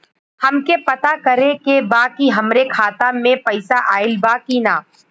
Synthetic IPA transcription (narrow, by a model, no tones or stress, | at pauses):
hɐmkepɐt̪akɐɾẽkebaːkiɦɐmɾekʰaːt̪amẽpɐɪsaʔaːɪlbaːkinaː